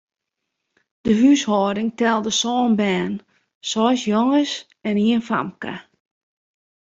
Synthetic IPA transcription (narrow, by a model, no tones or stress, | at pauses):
d̥əɦyshɔːdɪŋtɛlˠdəsɔːnbɛːn | sɔsjoŋəs | ɛniənfa̰mka̰